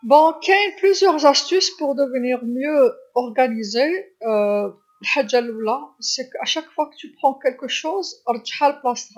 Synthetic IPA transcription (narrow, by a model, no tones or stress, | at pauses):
bɔ̃kɛplyzjœʁzæst̪yspuʁd̪əvəniʁmjøɔʁɡanize | lħaʒːalwlasɛkaʃakfwakə̥t̪ypχɑ̃kɛlkəʃozəɾˤd̪ʒḁħaləplasʁa